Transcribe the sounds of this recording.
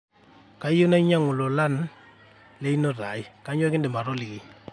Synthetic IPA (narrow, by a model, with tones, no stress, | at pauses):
ka˦i˦jo˦na˦i˦ɲa˦ŋʊ˨lɔ˨la˦n | le˦i˦nɔ˦ɾa˨i˦ka˦ɲɔ˦kɪ˦ndɛ˨ma˨ɾɔ˦li˨ki˨